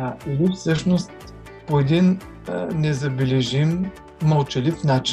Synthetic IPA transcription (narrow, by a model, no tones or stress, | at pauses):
ilifsɤʃnost̪ | poɛd̪in | nɛzɐbɛlɛʒimː | əlˠt͡ʃɛlifnat͡ʃ